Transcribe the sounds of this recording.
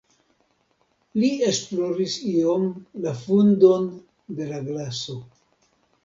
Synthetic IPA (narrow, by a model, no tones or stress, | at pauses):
lie̞splo̞ɾisio̞mlafundo̞n | de̞laɡlaso̞